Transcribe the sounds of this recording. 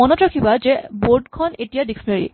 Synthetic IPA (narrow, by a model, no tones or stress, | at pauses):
ɔnɔtɹakʰibazɛboɹɖkʰɔnetijadiksneɹḭ